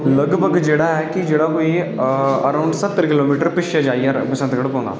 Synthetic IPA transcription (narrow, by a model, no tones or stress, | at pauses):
lɐɡbʱəɡd͡ʒeːɽaɦɛkid͡ʒeːɽakoːi | ɐɾaːʊ̃ɳɖsɐt̪ːəɾkɪloːmiːʈəɾpɪʃɛd͡ʒaːiɛpɐsə̃nt̪ɡəɽpɔ̃ːnd̪a̰ː